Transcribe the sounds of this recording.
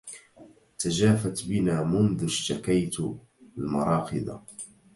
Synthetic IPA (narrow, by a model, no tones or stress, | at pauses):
t̪ad͡ʒaːfat̪bɪnaːmʊnðʊʃt̪akajt̪ | lmɑɾˤɑːqɪd̪ˤa̰